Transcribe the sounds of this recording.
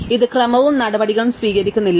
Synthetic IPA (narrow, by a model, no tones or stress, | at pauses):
iðɨkrɐmɐʋumnɐɽɐbɐɽiɣɐɭumsʋiːɣɐɾikʲːunːilː